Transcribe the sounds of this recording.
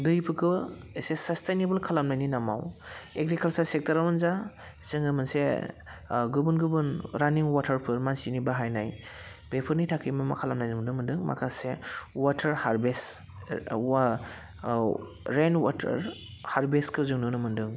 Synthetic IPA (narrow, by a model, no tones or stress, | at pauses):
dɯjpʰɯkʰɯesesɐstejnebɯlkʰalamnajninama̰weɡɾikʰɐlsaɾsek̚tɐɾawɯnza | z̥ɯŋɡɯmɯnse | ɡubunɡɯbɯnɾaniŋwatʰɐɾpʰɯɾmansinibaɦajnaj | bepʰɯɾnitʰakʰijmamakʰalamnajnɯmndɯmɯndɯŋmʔa̰kʰasewatʰɐɾhaɾbes | ɾenwa̰tʰɐ̰ɾ | haɾbeskʰɯzɯŋnɯnɯmɯndɯŋ